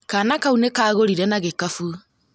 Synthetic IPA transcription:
kanakaunekaːɣoɾiɾɛnaɣekafu

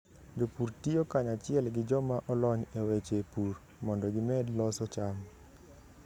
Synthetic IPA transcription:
d͡ʒopuɾtiokaɲat͡ʃɪɛlɡɪd͡ʒɔmaʔɔlɔɲewet͡ʃepur | mɔndɔɡɪmɛdlɔsɔt͡ʃam

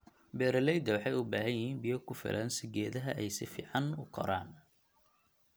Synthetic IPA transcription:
bɛːɾɐlɛjd̪ɐwɑħɑjʊbaːɦɐnjɪhiːnbɪjɔkʰʊfɪ̰lʔɐnsɪɡɛːðɐɦɐʔɛjsɪfḭːʕɑnʊqʰɔ̰ɾaːn

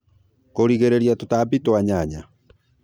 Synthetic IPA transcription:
koɾiɣeɾeɾiatotabitowaɲaɲa

